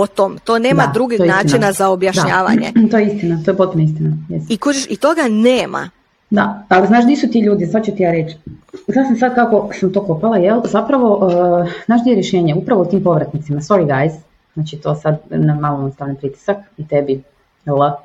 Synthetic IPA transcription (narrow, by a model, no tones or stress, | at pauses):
pot̪omt̪oneːdmad̪ɾuɡioenaːit͡ʃninazaobjaʃd̪aɲaːʋa̰ɲet̪ojeist̪inat̪ojepot̪̚punaist̪inajesikot͡ʃeʃit̪oɡaneːma̰ | d̪a̰aliznaːʃd̪isut̪iʎuːd̪izat͡ɕut̪ijaːɾet͡ʃznaːsamsad̪̚kako̞samt̪o̞ko̞palajelzapɾaʋo̞ʔznaːʃd̪ijeɾjeʃe̞ːɲeupɾaʋout̪iːmpo̞ʋɾat̪nit̪simast̪o̞ɾiɡajz | znaːt͡ʃit̪o̞ːsad̪namaloost̪aːnanpɾit̪i̥sakt̪ebi | lə